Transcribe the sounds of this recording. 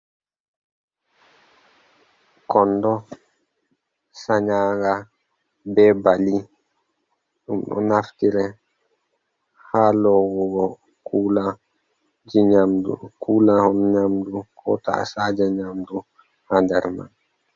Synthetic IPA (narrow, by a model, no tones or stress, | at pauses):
kɔndɔ | saɲaːɡa | bɛbali | ɗumɗɔ̰naftiɾɛ | halɔɡɔɡɔ | kʰuːla | d͡ʒiɲamdṵkʰuːlahɔnɔɲamdukʰɔ̰ta̰saːd͡ʒaɲamdu | handɛɾma̰n